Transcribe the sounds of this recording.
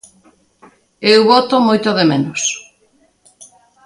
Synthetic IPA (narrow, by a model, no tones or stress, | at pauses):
ewβɔt̪omojt̪oðemenos